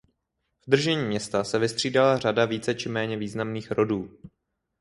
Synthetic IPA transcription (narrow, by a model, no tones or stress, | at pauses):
vd̪r̩ʒɛɲiːmɲɛst̪asɛvɪst̪r̝̥iːdalar̝adaviːt͡sɛt͡ʃɪmɛːɲɛviːznamniːxɾo̞duː